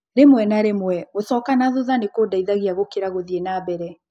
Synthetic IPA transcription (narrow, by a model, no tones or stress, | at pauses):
ɾemwɛnaɾemwɛosɔkanaðoðanekodaiðaɣeaɣokeɾaɣoðienaːbɛɾɛ